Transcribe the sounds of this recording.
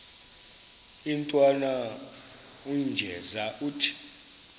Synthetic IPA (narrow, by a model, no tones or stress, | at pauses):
intʼwana | und͡ʒʱɛzaʔuːtʰi̥